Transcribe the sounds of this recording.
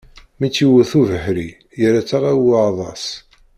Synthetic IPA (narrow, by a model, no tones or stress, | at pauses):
mit͡sːiwəθuvəħɾi | jəɾæt͡sːaʁæwðˤɑ̰s